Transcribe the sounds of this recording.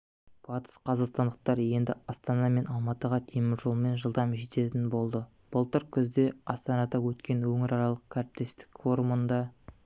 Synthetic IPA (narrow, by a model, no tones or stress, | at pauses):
b̥ɑt̪ə̥sqʰɑzɑqst̪ɑnd̪əq̚t̪ɑɾje̞nd̪ɪɑst̪ɑnɑme̞nɑlˠmɑt̪əʁɑt̪ʰemɪɾʒo̞lˠme̞nʒəlˠd̪ɑmʒet̪e̞t̪ɪnbo̞lˠd̪ə | b̥əlˠt̪əɾkʲʰʏzd̪e̞ɑst̪ɑnɑd̪ɑwɵt̪kʲe̞nwɵŋɪɾɑɾɑlˠəq̚kʲʰæɾɪp̚t̪e̞st̪ɪ̥kfo̞ɾumənd̪ɑ